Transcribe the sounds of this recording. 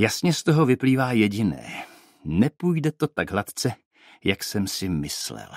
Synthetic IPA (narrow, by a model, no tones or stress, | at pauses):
jasɲɛst̪oɦo̞vɪpliːvaːjɛɟɪnɛ̰ː | nɛpujdɛt̪o̞t̪aɡɦlat̪t͡sɛ | jaksɛmsɪmɪslɛ̰l